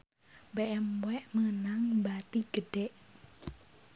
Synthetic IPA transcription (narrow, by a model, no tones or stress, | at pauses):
beʔɛmwɛʔməənaŋbat̪iɡ̥əɖ̥ɛʔ